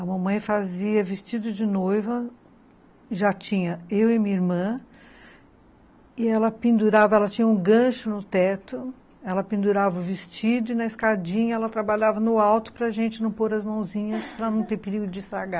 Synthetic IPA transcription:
ɐmɐ̃mɐ̃j̃faziɐvɪst͡ʃid̪ʊd͡ʒɪnojvɐ | ʒat͡ʃĩɲɐewɪmĩɲɐiɾmɐ̃ | ɪɛlɐpĩnd̪uɾavɐɛlɐt͡ʃĩɲɐũɡɐ̃ʃʊnʊt̪ɛt̪ʊ | ɛlɐpĩnd̪uɾavɐʊvɪst͡ʃid̪ʊɪnɐiskad͡ʒĩɲɐɛlɐt̪ɾabaʎavɐnʊawt̪ʊ̥pɾɐʒẽnt͡ʃɪnɐ̃w̃poɾɐzmɐ̃w̃zĩɲɐspɾɐnɐ̃w̃t̪eɾpeɾiɡʊd͡ʒɪsaɡa

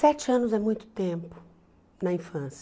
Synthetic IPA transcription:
sɛt͡ʃɪɐ̃nʊzɛmũj̃t̪ʊ̥t̪ẽpʊ̥ | nɐĩfɐ̃s

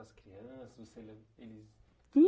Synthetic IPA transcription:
ɐskɾiɐ̃sɐzvoselelɪs

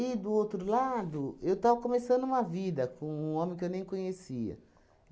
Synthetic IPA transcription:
id̪ʊowt̪ɾʊlad̪ʊewt̪avɐkõmesɐ̃d̪ʊũmɐvid̪ɐkõũõmẽkɪewnẽj̃kõɲesiɐ̰

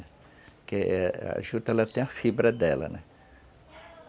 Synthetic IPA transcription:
ɛ | keɛa̰ʒut̪ɛlɐt̪ẽj̃ɐfibɾɐd̪ɛlɐ̰nɛ

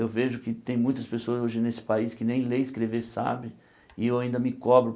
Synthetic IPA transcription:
ewveʒʊkɪt̪ẽj̃mũj̃t̪ɐspesoɐzoʒɪnesɪ̥paiskɪnẽj̃lejɪskɾeveɾsa̰bɪ | ɪewaĩnd̪ɐmɪkɔbɾʊ

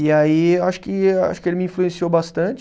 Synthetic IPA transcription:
iaiewaʃʊ̥kɪea̰ʃʊ̥kɪelɪmiĩfluẽsiowbast̪ɐ̃t͡ʃɪ

